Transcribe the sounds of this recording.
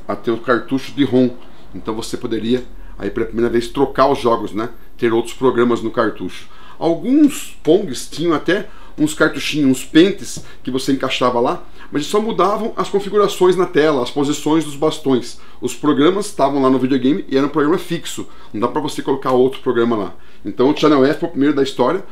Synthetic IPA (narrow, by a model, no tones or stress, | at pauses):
at̪eɾʊkaɾt̪uʃʊ̥d̪ɪɦõ | ẽnt̪ɐ̃w̃vosepod̪eɾiɐ | a̰ipelɐpɾimejɾɐvest̪ɾokaʊzʒɔɡʊsnɛ | t̪eɾowt̪ɾʊ̥spɾoɡɾɐ̃mɐznʊkaɾt̪uʃʊ̥ | a̰wɡũs | põɡɪst͡ʃĩɲɐ̃w̃at̪ɛ | ũskaɾt̪uʃĩɲũspẽnt̪ɪs | kɪvoseẽŋkaʃavɐla | mɐzsɔmud̪avɐ̃w̃ʔɐskõfiɡuɾasõj̃znɐt̪ɛlɐɐspozisõj̃zd̪ʊzbast̪õj̃s | ʊspɾoɡɾɐ̃mɐst̪avɐ̃w̃lanʊvid͡ʒioɡẽj̃mɪʔɪɛɾɐũpɾoɡɾɐ̃mɐfiksʊnnɐ̃d̪apɾɐvosekolokaowt̪ɾʊ̥pɾoɡɾɐ̃mɐla̰ | ẽnt̪ɐ̃w̃ʒãnɐ̃w̃ɛɾfɛʊpɾimejɾʊd̪ɐist̪ɔɾjɐ